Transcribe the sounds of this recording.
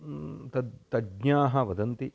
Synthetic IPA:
t̪ɐt̪ɐɡɲaːɦɐʋɐd̪ɐnt̪i

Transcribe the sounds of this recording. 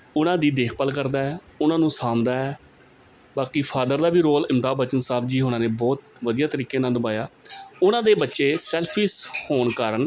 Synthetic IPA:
ʊnãːd̪iːd̪eːkʰpəlkəɾd̪aːɛːʊnãːnũːsaːmd̪aːɛː | baːkiːpʰaːd̪əɾd̪aːbiːɾoːlɪmt̪aːbət͡ʃənsaːbd͡ʒiːɦonãːnẽːbɔːt̪ʋəd̪iːjaːt̪əɾiːkeːnaːld̪əbaːjaːʊnãːd̪eːbətːʃeːsɛːlpʰiːshoːnkəɾən

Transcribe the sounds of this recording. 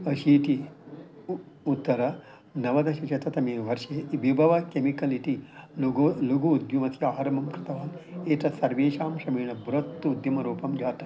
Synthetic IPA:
ɐʃiʈ̪i | ut̪ːɐɾɐ | nɐʋɐd̪ɐʃit͡ʃɐt̪ɐt̪ɐmeːʋɐɾʃeʋibʱɐʋɐkemikɐliʈ̪iɡluɡuːd̪jumɐt̪ʰjɐaːɾɐmɐmkɾɪt̪ɐʋaːleːʈ̪ɐsɐɾʋeːʃaːmʃɐmeːnɐbɾɐt̪ːuud̪jɐmɐɾuːpɐmd͡ʒaːʈ̪ɐ̥

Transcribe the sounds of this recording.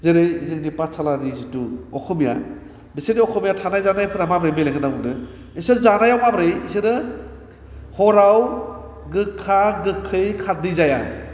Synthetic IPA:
zeɾɯjizɯɡdipasʰaladizituɔkʰumija̰ | bisediɔkʰumijatʰanajzanajapʰɯɾamabɾɯjmelaŋɡɯnabuŋdɯ | isɯɾzanajawmabɾɯjisɯɾɯ | hɔɾaw | ɡɯkʰːaɡɯkʰːɯjkʰat̚dizaja̰

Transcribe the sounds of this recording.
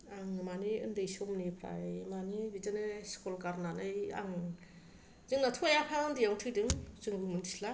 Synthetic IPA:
aŋmaniɯ̰ndɯjsɔmnipʰɾa̰manibizanɯskɔlkaɾnanɯja̰ŋ | zɯŋnatʰojapʰaɯndijaŋtʰɯdɯŋzɯŋɡɯmɯndʰisla

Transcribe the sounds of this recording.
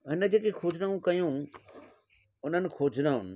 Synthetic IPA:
ɦɪnə̆d͡ʑeːkexʰoːd͡ʑnaũkɐjũ | ʊn̤ənɪ̆xʰoːd͡ʑʱnaʊnɪ̆

